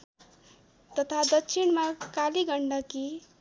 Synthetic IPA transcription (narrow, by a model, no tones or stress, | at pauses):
t̪ʌt̪ʰad̪ʌksʰinmakaliɡʱʌɳɖʌki